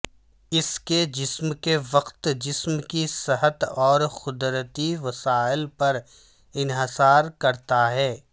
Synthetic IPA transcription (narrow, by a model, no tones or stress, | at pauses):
ɪsked͡ʒɪsmkeʋɐqt̪d͡ʒɪsmkisɪɦət̪ɔːɾxʊd̪ɾət̪iʋɐsaːɪlpɐɾ | ɪnɦɪsaːɾkɐɾt̪aɦɛː